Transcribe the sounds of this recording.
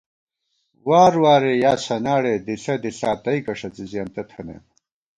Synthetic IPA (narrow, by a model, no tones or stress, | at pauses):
waːɾwaːɾejaːsɐnaːɽed̪iɬɐd̪iɬaːt̪ɐikɐʂɐt͡sizijaːnt̪ɐt̪ʰɐnḛm